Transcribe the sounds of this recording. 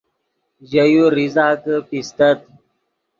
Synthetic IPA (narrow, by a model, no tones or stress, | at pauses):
ʑəjuɾizaːkəpist̪ət̪̚